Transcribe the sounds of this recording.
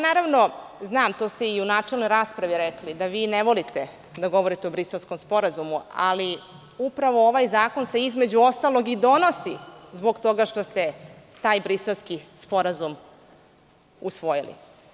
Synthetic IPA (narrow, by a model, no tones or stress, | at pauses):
janaːɾaʋno̞znaːmt̪oːst̪e̞iunaːt͡ʃelno̞jɾaːspɾaʋiɾeklid̪aʋiːneʋo̞lit̪ʰe | d̪aɡo̞ʋo̞ɾit̪eobɾiselˠsko̞mspo̞ɾazumua̰li | upɾaʋooʋajzaːko̞nse̞izme̞d͡ʑuo̞st̪alo̞ɡid̪o̞no̞sizbo̞ɡt̪o̞ɡaʃt̪o̞st̪e̞t̪aːjbɾiselˠskispo̞ɾazum | usʋo̞jilḭ